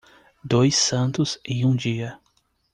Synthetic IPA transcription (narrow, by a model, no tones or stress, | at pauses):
d̪ojsɐ̃nt̪ʊzɪũd͡ʒiɐ